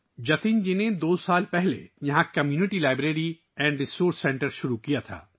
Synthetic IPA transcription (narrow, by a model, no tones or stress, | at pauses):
d͡ʒɐt̪ind͡ʒined̪oːsaːlpɛɦlḛjɐɦãkɐmjuːnɪʈilaːɪbɾeːɾi | ɛ̃ːɳɖɾɪsoːɾsːɛ̃ːɳʈəɾʃʊɾukijat̪ʰa̰ː